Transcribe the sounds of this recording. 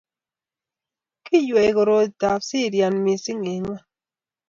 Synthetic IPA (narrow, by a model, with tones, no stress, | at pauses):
ki˦jɛ˨kɔ˨ɾo˨ta˨psi˦˨ɾja˨nmi˨si˦ŋe˨ŋwa˦